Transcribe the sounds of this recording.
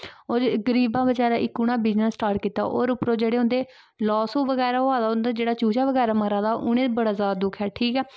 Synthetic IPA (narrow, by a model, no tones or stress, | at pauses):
oːɡəɾiːbãːbəd͡ʒaːɾaːʔɪkːunãːbid͡ʒnaːsʈaːɾʈ̚kiːt̪a̰ːʔo̰ːɾʊpɾõːd͡ʒeːɽeːɦʊ̃nd̪eː | lɔːsũːʋəɡɛːɾaːoaːd̪aːʊnd̪aːd͡ʒeːɽaːt͡ʃuːt͡ʃaːʋəɡɛːɾaːməɾãːd̪aːʔʊñẽːbəɽaːzaːd̪ad̪ʊkʰɛːʈʰiːkɛː